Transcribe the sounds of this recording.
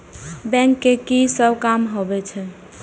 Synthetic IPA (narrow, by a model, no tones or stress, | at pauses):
bɛ̃ŋkːekisəbkamɦobɛt͡ʃʰɛ